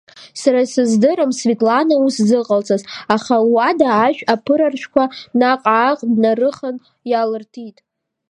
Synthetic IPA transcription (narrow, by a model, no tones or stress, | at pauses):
saɾasɨzdɨɾɨmsvitʼlanauszɨqʼalt͡sʰʼazaχalwadaːʃᶣapʰɨɾarʃʷᶣʰkʷanaqʼaːqʼdnarɨχan | jalɨrtʰitʼ